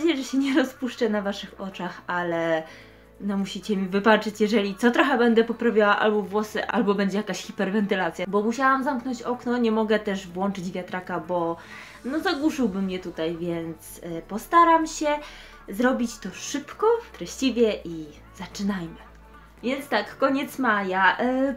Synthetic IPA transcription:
d͡ʑejʐɛɕɛɲɛɾɔspuʂt͡ʂɛnavaʂɘxɔt͡ʂaxalɛ | nɔmuɕit͡ɕɛmʲivɘpat͡ʂɘt͡ɕjɛʐɛlʲit̪sɔt̪ɾɔxɛbɛnd̪ɛpɔpɾavʲjawaʔa̰lbɔvwɔsɘʔa̰lbɔbɛɲd͡ʑɛjakaɕxʲipɛɾvɛnt̪ɘlat̪sʲjabɔmuɕawamzamknɔɲt͡ɕɔknɔɲɛmɔɡɛt̪ɛʂvwɔnt͡ʂɘd͡ʑvʲjat̪ɾakabɔ | nɔzaɡwuʂɘwbɘmːɲɛt̪ut̪ajvʲjɛnt̪spɔst̪aɾamɕɛ | zɾɔbʲit͡ɕt̪ɔʂɘpkɔft̪ɾɛɕt͡ɕivʲjɛʔi | zat͡ʂɘnajmɘ | vʲjɛnt̪t̪akːɔɲɛt̪smaja

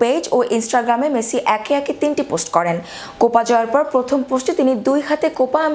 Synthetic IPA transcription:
ped͡ʑoʔinsʈaɡɾamemesiʔɛkeɛket̪inʈiposʈkɔɾen | kopad͡ʑɔeɾpɔɾpɾot̪ʰomposʈet̪inid̪ujɦat̪ekopam

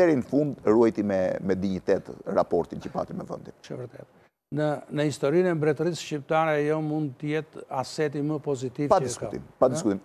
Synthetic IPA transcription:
ɛɾinəfund̪ruɛjt̪imɛmɛd̪iɲət̪ɛt̪ɾa̰pɔɾt̪incəpa̰t̪imɛvə̰nd̪int͡ʃɛ̰vəɾt̪ɛ̰t̪ | nənəhist̪ɔɾinɛmbɾɛt̪əɾisʃcip̚t̪aɾɛjɔmund̪̚t̪əjɛt̪asɛt̪iməpɔzit̪ivpad̪iskuḭmpad̪iskut̪im

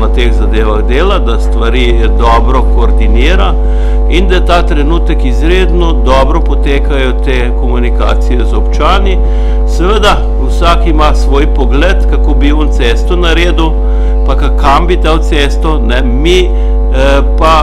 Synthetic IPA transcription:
at̪eːɣzad̪eːʋaɣd̪eːlad̪ast̪ʋaɾiː | d̪ɔːbɾɔkoːɾd̪iniːɾa | ind̪ajɛt̪at̪ɾɛnuːt̪əkizɾeːd̪nɔd̪ɔːbɾɔpɔt̪eːkajɔt̪eːkomunika̰ːt̪sijɛzɔpt͡ʃaːni | sɛʋəd̪a | usaːkimasʋoːjpɔɡlɛt̪kakoːbiɔnt̪sest̪ɔnaɾeːd̪u | pakakambit̪awt̪seːst̪ɔnɛ | mi | pa

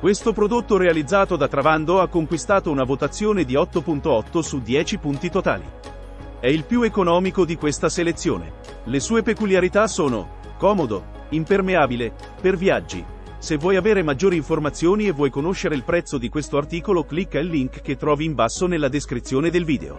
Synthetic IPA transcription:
kwest̪opɾod̪ot̪ːoɾealid̪zːaːt̪od̪at̪ːɾavand̪oakːoŋkwist̪aːt̪ounavot̪at̪sːjoːned̪iɔt̪ːopunt̪oɔt̪ːosud̪jɛːt͡ʃipunt̪it̪ot̪a̰ːlḭ | ɛilpjuekonɔːmikod̪ikwest̪aselet̪sːjo̰ːnḛ | lesuːepekuljaɾit̪asoːno̰ | kɔːmod̪o | impermeaːbile | pervjad͡ʒːḭ | sevːwɔjaveːɾemad͡ʒːoːɾiːɱformat̪sːjoːnievːwɔjkonoʃːeɾeilpɾɛt̪sːod̪ikwest̪oart̪iːkoloklikːelːiŋkːet̪ːɾɔːviːɱbasːonelːad̪eskɾit̪sːjoːned̪elviːd̪ḛo̰

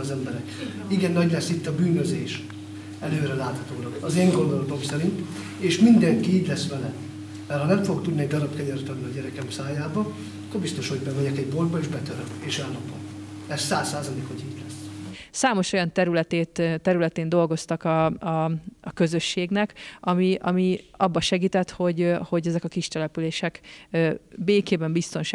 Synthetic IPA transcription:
ɒzɛmbɛɾɛk | iɡɛnːɒɟlɛsːit̪ːɒbyːnøzeːʃ | ɛløːɾɛlaːt̪hɒt̪oːlɒɒzeːŋɡo̞nd̪olod̪o̞msɛɾint̪ | eːʃmind̪ɛŋkiiːɟlɛsʋɛlɛ | mɛrhɒnɛɱfoɡok̚t̪ud̪niɛɟd̪ɒɾɒpkɛɲɛɾyt̪ɒd̪niɒɟɛɾɛkɛmsaːjaːbɒ | ɒkːorbist̪o̞ʃho̞ɟbɛmɛɟɛkɛɟbold̪̚bɒeːʒbɛt̪øɾøkeːʃɛlːɒpo̰nɛsːaːsːaːzɒleːkhoɟiːɟlɛsːsaːmo̞ʃo̞jɒnt̪ɛɾylɛt̪eːt̪ːɛɾylɛt̪eːnd̪o̞lɡo̞st̪ɒkɒɒɒkø̞zø̞ʃːeːɡnɛkɒmiʔɒmiɒbːɒʃɛɡiːt̪ɛt̪ho̞ɟho̞ɟɛzɛkɒkiʃt̪ɛlɛpyleːʃɛk | beːkeːbɛmbist̪o̞nʃ

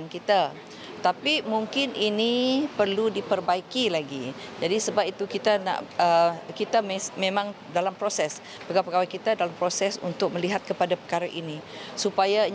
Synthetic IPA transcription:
nkit̪a | t̪apimuŋkɪninipərludipərbaikilaɡid͡ʒadisəbap̚it̪ukit̪ana̰ʔəkit̪amesmẽmãŋ | dalampɾosɛs | pəɡaapəɡawakit̪adalampɾosɛsṵnt̪ʊk̚məliɦat̪̚kəpadapə̥kaɾaʔini | supaja

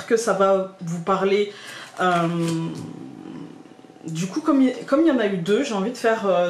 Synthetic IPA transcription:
kəsavavupaʁleøm | d̪ykukɔmkɔmijɑ̃nayd̪øʒeɑ̃vid̪əfɛʁø

